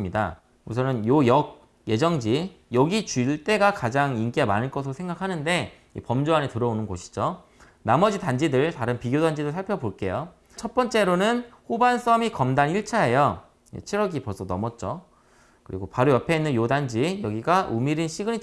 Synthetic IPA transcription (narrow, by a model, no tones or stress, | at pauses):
mɲida̰ | usʰʌnɯnjojʌɡ̚ | je̞d͡ʑʌŋd͡ʑijʌɡit͡ɕuɭt͈e̞ɡakad͡ʑaŋink͈emanɯɭk͈ʌsʰɯɾosʰeŋɡakʰanɯnde̞ | ḭpʌmd͡ʑoanetɯɾʌonɯnɡoɕʰi̥d͡ʑo | namʌd͡ʑitand͡ʑidɯɭtaɾɯnpiɡjodand͡ʑidosʰaɭpʰjʌboɭk͈e̞jo | t͡ɕʰʌt̚p͈ʌnt͡ɕ͈e̞ɾonɯnhobans͈ʌmikʌmdaniɭt͡ɕʰaɦe̞jo | jḛt͡ɕʰiɾʌɡipʌs͈ʰʌnʌmʌt̚t͡ɕ͈o | kɯɾḭɡopaɾojʌpʰe̞inːɯnjodand͡ʑijʌɡiɡaʔumiɾinɕʰiɡɯɲi